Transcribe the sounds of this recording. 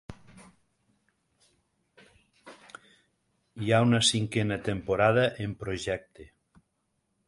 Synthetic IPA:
iaunəsiŋkenət̪empoɾaðəʔempɾoʒɛk̚t̪e

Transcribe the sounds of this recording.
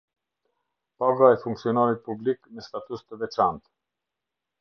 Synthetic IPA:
paɡaɛfuŋksiɔnaɾit̪̚publiknəst̪at̪ust̪əvɛt͡ʃant̪

